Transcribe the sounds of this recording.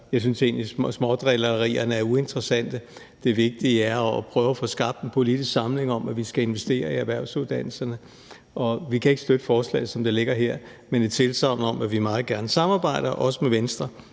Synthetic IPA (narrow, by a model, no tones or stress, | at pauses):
jɑ̈ɪsynse̝̰ːnlissmɒd̥ʁɛlɐʁḭːɐnəæɐue̝nd̥ʁɐsæn̰d̥ə | d̥e̝ʋe̝ɡ̥̚d̥iəæɐpʰʁœːʊæfɔ̽sɡ̥ɑ̈b̥̚d̥enpʰo̝lid̥isɡ̥sɑ̈mle̝ŋɒ̽mæʋisɡ̥æe̝nʋesd̥e̝̰ːɐiæʋæɐ̰suðˠd̥æn̰l̩sɐnə | ʔɒ̽ʋikʰæe̝ɡ̥sd̥ød̥əfɒːslɛ̰ːɪð̩ˠsɒ̽md̥ele̝ɡ̥ɐɦeɐ̰ | menet͡sʰe̝lsʰɑ̈ʊ̰nəɒ̽mæʋimɑ̈ːð̩ˠɡ̥æɐnəsɑ̈mɑ̈ːb̥ɑ̈ɪ̰ɾ̥ɐʔɒ̽səmeʋensd̥ʁɐ